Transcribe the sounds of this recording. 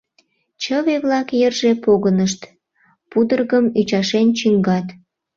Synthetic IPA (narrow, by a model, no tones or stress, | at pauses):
t͡ɕəβeβlɑkjerʒepoɣənəʃt̪ | pud̪ərɣəmyt͡ɕɑʃent͡ɕiŋɡɑt̪